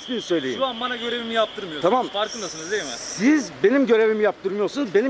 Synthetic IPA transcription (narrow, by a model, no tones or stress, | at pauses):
sinisø̞jlʲeiuanbanaɟø̞ɾevimijap̚t̪ʰɯɾmɯjot̪ʰamamfaɾkʰɯnd̪asɯnɯzd̪eimɪsizbe̞nimɟø̞ɾe̞vimijap̚t̪ʰɯɾmɯjo̞ɾsunzbe̞ni